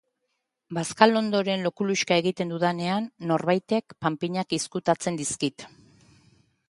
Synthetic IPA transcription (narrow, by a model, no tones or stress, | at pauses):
baskalo̞nd̪o̞ɾe̞nlo̞kuluʃkae̞ɣit̪e̞nd̪uðane̞anːo̞rβajt̪e̞kpampiɲakiskut̪at͡se̞nd̪iskit̪